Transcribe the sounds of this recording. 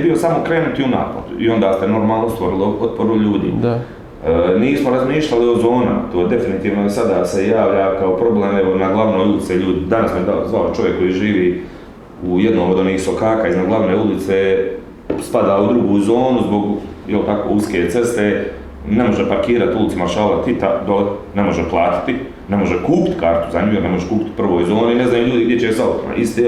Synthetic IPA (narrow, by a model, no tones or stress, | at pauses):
jebio̞samo̞kɾe̞ːnut̪iuna̰ːpo̰t̪uḭo̞nd̪aːst̪e̞no̞ɾmaːlˠnost̪ʋoɾiliot̪̚po̞ɾuʎuːd̪ḭ | niːsmoɾazmiːʃlʎalio̞zo̞ːna̰t̪oːjed̪e̞finit̪iːʋnoesad̪aːse̞jaːʋʎakaopɾo̞bleːmeʋonaɡlˠaʋnoːjulit̪seʎuːd̪id̪anasmoed̪azʋalt͡ʃo̞ʋjekːo̞jiːʒiːʋiː | ujed̪noːmod̪oniːhso̞kaːkaːiznaɡlˠaʋneːulit̪se | spad̪aːud̪ɾuɡuːzo̞ːnuzbo̞ɡjelt̪ako̰uskeːt̪se̞st̪eː | ne̞mo̞ʒepaɾkiːɾat̪ulitsumaɾʃaːlat̪it̪ad̪one̞mo̞ʒeplˠaːt̪i̥t̪i | ne̞moʒekuːpi̥t̪kaːɾt̪uzaɲuːjɾnemo̞ʒekuːpi̥t̪pr̩ʋo̞ːjzo̞ːniine̞znajuːʎuːd̪iɡd̪jet͡ɕesat̪oma̰ʔist̪e